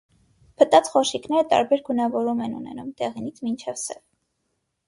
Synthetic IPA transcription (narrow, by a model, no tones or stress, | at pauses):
pʰət̪ɑt͡sχɔʃiknɛɾət̪ɑ̰ɾbɛɾɡunɑvɔɾumɛnṵnɛ̰numt̪ɛʁinit͡sʰmint͡ʃʰɛvsɛv